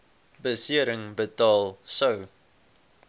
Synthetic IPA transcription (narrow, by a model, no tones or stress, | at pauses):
bəsiəɾəŋbətɑːlˠsəw